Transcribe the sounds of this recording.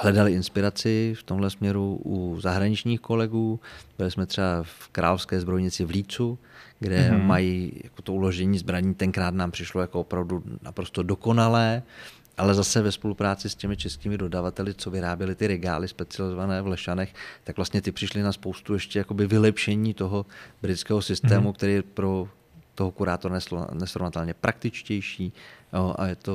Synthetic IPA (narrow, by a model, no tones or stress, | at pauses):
hlɛdalɪɪnspɪɾat͡sɪft̪o̞mɦlɛsmɲɛɾuʔuzaɦɾaɲɪt͡ʃɲiːxko̞lɛɡuːbɪlɪsmɛt̪r̥ɛbafkɾa̰ːlofskɛːzbɾo̞jɲɪt͡sɪvliːt͡suɡdɛmajija̰ko̞t̪oulo̞ʒɛɲiːzbɾaɲiːt̪ɛŋkɾaːt̪naːmpr̝̥ɪʃlojako̞opɾavduna̰pɾo̞st̪o̞do̞ko̞nalɛː | ʔalɛzasɛvɛspo̞lupɾaːt͡sɪscɛmɪt͡ʃɛskiːmɪdo̞davat̪ɛlɪt͡so̞vɪɾaːbjɛlɪt̪ɪɾɛɡa̰ːlɪspɛt͡sɪalɪzovanɛːvlɛʃanɛxt̪akɡvlast̪ɲɛt̪ɪpr̥ɪʃlɪnaspo̞wst̪uɛʃcɛjako̞bɪvɪlɛpʃɛɲiːt̪o̞ɦo̞bɾɪt̪t͡skɛːɦosɪst̪ɛːmukt̪ɛɾiːjɛpɾo̞ | t̪oɦokuɾaːt̪oɾanɛsnɛsɾovnat̪ɛlɲɛpɾʔak̚t̪ɪt͡ʃcɛjʃiːjoʔa̰jɛt̪o̞